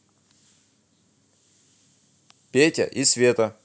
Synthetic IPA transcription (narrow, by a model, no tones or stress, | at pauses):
pʲetʲə̰ʔisvʲet̪ə